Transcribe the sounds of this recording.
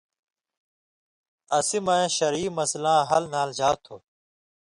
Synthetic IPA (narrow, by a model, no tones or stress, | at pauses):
əsimãẽːʃəɾiːməslãːɦəlnaːld͡ʑaːt̪ʰoː